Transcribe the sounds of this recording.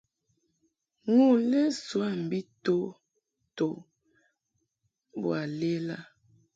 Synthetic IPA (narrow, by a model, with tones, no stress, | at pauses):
ŋu˦˨le˦swa˦˨m̩˨bi˦to˦ | to˨ | bwa˨le˦la˦